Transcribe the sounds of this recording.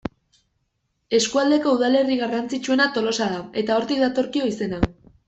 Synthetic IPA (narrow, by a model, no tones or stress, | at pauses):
e̞skuald̪eko̞uðale̞riɣarant͡sit͡ʃue̞nat̪o̞lo̞saðae̞t̪ao̞ɾt̪ikðat̪o̞ɾkio̞ise̞na